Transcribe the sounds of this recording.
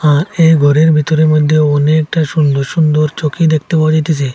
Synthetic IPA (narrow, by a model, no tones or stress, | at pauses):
aɾejɡʱɔɾeɾbʱit̪ɔɾeɾmojd̪ʱːjeɔnek̚ʈaʃund̪oɾʃund̪oɾt͡ʃokid̪ek̚t̪epawad͡ʑajt̪et͡ʃʰi